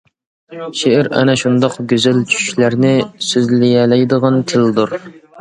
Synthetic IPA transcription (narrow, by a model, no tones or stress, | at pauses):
ʃeʔɪɾɛ̰nɛʃund̪ɑqɡʲøzælt͡ʃʰy̥ʃy̥ʃlæɾnɪsøzlɪjɛlɛjd̪əʁɑnt̪ʰɪld̪uɾ